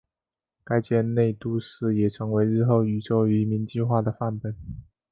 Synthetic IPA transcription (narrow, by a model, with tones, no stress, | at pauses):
ka˥ɪt͡ɕjɛ˥˧nne˥˧ɪt̪u˥˧ʂɻ̩˥˩jɛ˨˩ʈ͡ʂʰɤ˧˥ŋwe˧˥ɪɻɻ̩˥˧xo˥˩ʊy˧˥ʈ͡ʂo˥˩ʊy˧˥˧mi˧˥nt͡ɕi˥˧xwa˥˩d̪ə˩fa˥˩npe˨˩˦n